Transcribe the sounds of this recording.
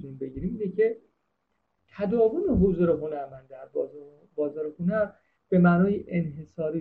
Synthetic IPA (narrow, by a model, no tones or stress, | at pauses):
ninbe̞ɟiːɾiːmiːnecʰe̞ | t̪ʰæd̪ɒːvoneɦozuɾeɦolæɾmænd̪æɾ | bɒːzɒːɾexunæɾ | b̥e̞mæːnɒːjeʔenɦe̞sɒːɾiː